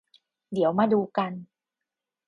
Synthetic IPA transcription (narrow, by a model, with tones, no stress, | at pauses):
di˨˩˦əwmaː˧duː˧ka˧n